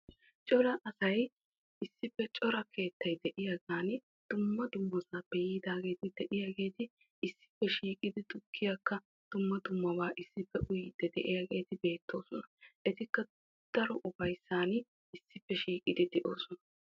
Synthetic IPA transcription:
t͡ʃʼɔɾɐʔɐsɐj | ɪsːɪpːɛt͡ʃʼɔɾɐkʰe̞ːt̪ːɐjd̪ɛʔɪjaɡaːn | d̪̥ʊmːɐd̪ʊmːɐzaːpːɛjiːd̪aːɡe̞ːt̪ɪd̪ɛʔɪjaɡe̞ːt̪ɪ | ɪsːɪ̥pːɛʃiːkʼɪd̪ɪd̪ʊkʰːɪjɐkːɐ | d̪̥ʊmːɐd̪ʊmːɐbaːʔɪsːɪpːɛʔʊjd̪̥ɛd̪ɛʔɪjaɡe̞ːt̪ɪbe̞ːt̪ːo̞ːsɔnɐʔɛt̪ɪkːɐ | d̪̥ɐɾɔʔʊfɐjsːaːn | ɪsːɪpːɛʃiːkʼɪd̪ɪd̪ɛʔo̞ːsɔnɐ

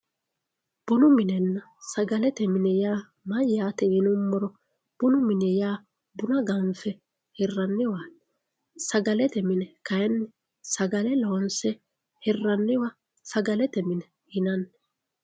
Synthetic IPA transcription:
b̥ʊnʊmɪnɛnːɐ | sɐɡɐlɛt̪ɛmɪnɛjaː | mɐjːaːt̪ɛɪnʊmːɔɾɔ | b̥ʊnʊmɪnɛjaː | bʊnɐɡɐɱfɛ | hɪrːɐnːɪwaː | sɐɡɐlɛt̪ɛmɪnɛkɐjnːɛ | sɐɡɐlɛlonsɛ | hɪrːɐnːɪwa | sɐɡɐlɛt̪ɛmɪnɛ | ɪnɐnː

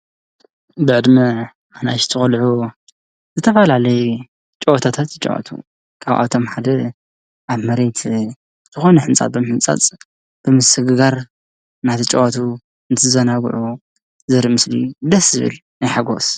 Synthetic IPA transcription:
bɨʕɨd̪mɐ | ʔanajʃt̪ʰɨxɐlʕu | zɨt̪ʰɐfɐlalɐju | t͡ʃʼowt̪ʰat̪ʰat̪t͡ʃʼo̰ʔa̰t̪ʰṵ | kʰa̰βʔa̰t̪ʰo̞mħad̪ɐ | ʔaβmɐɾe̞t̪ʰ | z̥ɨxo̞nɨħɨnt͡sʼa̰t̪̚bɨmħɨnt͡sʼa̰t͡sʼ | b̥ɨmɨsɨɡɨɡaɾ | nat̪ʰit͡ʃʼoʔat̪ʰu | ɨnt̪ʰɨzɐnaɡ̰ʕu | zɐɾimɨslḭd̪ɐszɨβɨ̰lnajħaɡo̞̰s

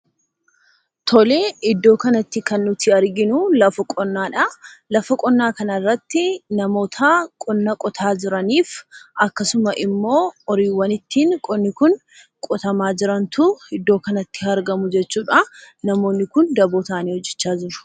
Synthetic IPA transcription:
t̪ʰɔle̞ːɪd̪ːo̞ːkɐnɐt̪ːɪkɐnːʊt̪ɪɐɾɡɪnʊlɐfɐkʼɔnːaːᶑɐlɐfɐkʼɔnːaːkɐnɐrːɐt̪ːɪnɐmo̞ːt̪ʰɐkʼɔnːɐkʼɔt̪ʰaːd͡ʒɪɾɐniːfʔɐkːɐsʊmɐʔɪmːo̞ːɔɾiːwːɐnɪt̪ːiːŋkʼɔnːɪkʊn | kʼɔt̪ɐmaːd͡ʒɪɾɐnt̪ʊɪd̪ːoːkɐnɐt̪ːɪɐɾɡɐmʊd͡ʒɛt͡ʃːuːᶑa | nɐmo̞ːnːɪkʊnd̪ɐboːt̪aːniːhɔd͡ʒːɛt͡ʃːaːd͡ʒɪɾʊ̥

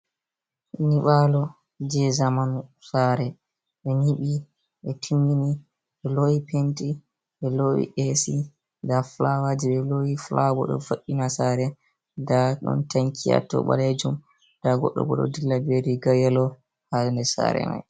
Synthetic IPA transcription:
niɓalɔ | d͡ʒɛzamanusaːɾɛ | ɓɛniɓi | ɓɛtʰimini | ɓɛlowipenti | ɓɛlowḭʔesi | daflawad͡ʒiɓɛlowiflabɔ̰ɗɔ̰foɗːinasaːɾɛ | daɗɔ̰ntaŋkʰia̰tɔ̰ɓa̰led͡ʒum | d̥aɡɔɗːɔ̰ɡɔɗɔ̰dilːabeɾiɡajalɔ | halndɛsa̰ɾɛ̰ma̰j

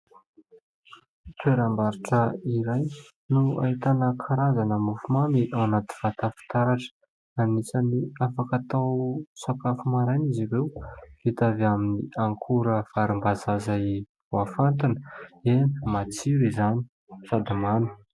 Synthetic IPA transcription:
t̪ueɾambaɾiʈ͡ʂəiɾaj | nua̰it̪anəkʰaɾazanəmufumamiʔawanat̪i̥v̥at̪afi̥t̪aɾaʈ͡ʂə̥ | anisaniafakat̪awsakafumaɾajniziɾewit̪avaminiʔaŋkʰuɾəfaɾimbazazai | vuafant̪inəemat͡siɾizani̥ | fad̪imani̥

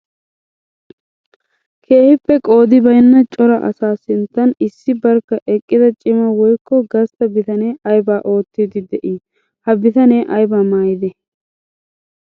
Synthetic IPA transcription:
kʰe̞ːhɪpːɛkʼo̞ːd̪ɪbɐjnːɐt͡ʃʼɔɾɐʔɐ̰saːsɪnt̪ːɐnɪsːɪbɐɾkːɐʔɛkʼːɪd̪ɐt͡ʃʼɪmɐwɔjkːɔɡɐst̪ɐbɪt̪ɐneːʔɐjbaːʔo̞ːt̪ːiːd̪ɪd̪ɛʔiː | hɐbɪt̪ɐneːʔɐjbaːmaːjɪd̪ɛ

